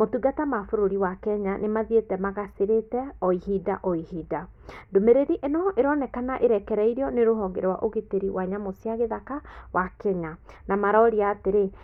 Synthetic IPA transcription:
motuɡatamafoɾoɾiwakɛɲanemaðietɛmaɣaseɾetɛɔihidaʔɔihida | ndomeɾeɾiʔenɔʔeɾɔnɛkanaʔeɾɛkɛɾaiɾiɔneɾoɦɔŋɡeɾwa̰ʔoɣeteɾiwaɲamosiaɣeðakawʔakɛɲanamaɾɔɾiaːteɾe

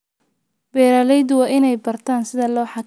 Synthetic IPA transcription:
bɛːɾaːlɛjd̪wɑːʔɪnɛjbɐrt̪ʰaːnsɪðɐlɔːħɑk

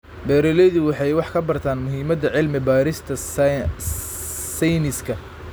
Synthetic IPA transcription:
bɛːɾɛlɛðʊwɑħɑjwɑħkʰɐbɐrt̪ʰaːnmʊɦiːmɐd̪ɐʕɪlmɪbaːɾɪst̪ʰɐ | sɛjnɪskʰɐ

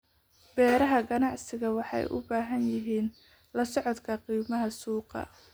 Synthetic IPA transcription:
b̥ɛːɾɐɦɐɡɐnɑʕsɪɣɐwɑħɑ̰jʔʊ̰baːɦɐnjɪɦiːn | lɐsɔʕɔd̪kʰɐqiːmɐɦɐsuːqɑ̰

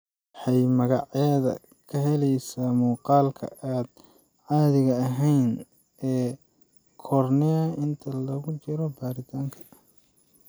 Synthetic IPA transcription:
ħɑjmɐɣɑʕjaðɐ̰ | kʰɐɦɛlɛjsaːmuːqɑːlkʰɐ̰ʔaːd̪̥̚ | ʕɑːðɪɣɐːɦɛjn | ɛː | kʰɔrnɛɐʔɪnt̪ʰɐlɐɣʊt͡ʃɪɾɔbaːɾɪt̪ʰaːŋkʰɐ̥

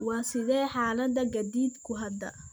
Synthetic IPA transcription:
wɑːsɪðɛːħɑːlɐd̪ɐɡɐd̪iːd̪kʰʊɦɐd̪ɐ̰

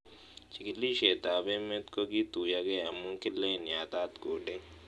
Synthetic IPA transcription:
t͡ʃɪkliʃeːt̪aːbẽmẽt̪koɡit̪uːjaɡeɐmũŋkɪlẽnɪjaːt̪aːt̪ɡoːɖẽː

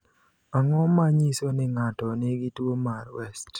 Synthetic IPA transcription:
aŋɔmaɲisonɪŋatɔnɪɡɪtwomarwɛst

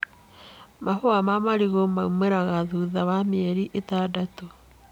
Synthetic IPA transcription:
mʔahoamamaɾiɣomaumeɾaɣaðuːðawameɛɾiʔetadato

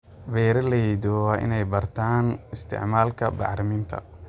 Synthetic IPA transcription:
bɛːɾɐlɛd̪ɔwaːʔɪ̰nɛjbɐrt̪ʰaːnɪst̪ʰɪ̰ʕmaːlkʰɐbɑ̰ħɾɪmiːnt̪ʰɐ̰

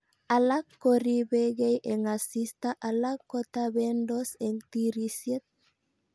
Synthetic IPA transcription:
alakːoɾiβeɣejʔeŋasist̪aʔalakːot̪aβendoseŋt̪iɾisjet̪̚

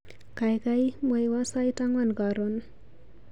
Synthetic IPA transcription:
kajkajmojwasajtaŋwanɡaɾon

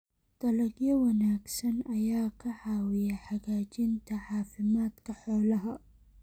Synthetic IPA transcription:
d̪̥ɐlɐɡjɐwɐnaːɡsɐnɐjaːkʰɐʕɑːwɪjɐħɑɣaːt͡ʃɪnt̪ʰɐʕɑːfɪmaːd̪kʰɐħɔːlɐɦɐ

